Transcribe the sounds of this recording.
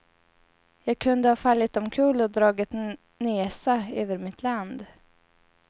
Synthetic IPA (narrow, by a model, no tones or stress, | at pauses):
jɑːɡ̚kʰɵnd̪əhɑːfalːɪt̪̚ːɔmkʰʉːlɔd̪ɾɑːɡɪt̪ | neːsaøːvəɾmɪt̪ʰland̪